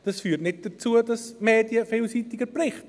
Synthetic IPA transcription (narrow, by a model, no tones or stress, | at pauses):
d̥ɑsfyːtnɪt̚d̥ət͡suədɑsmeːdjəfɪːlsiːtɪɡəprɪχt